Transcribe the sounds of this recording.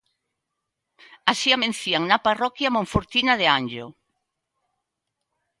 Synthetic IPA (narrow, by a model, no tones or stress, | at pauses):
asiamẽn̟θiaŋnɐparɔkjɐmõɱfoɾt̪inaðeanʲd͡ʒʊ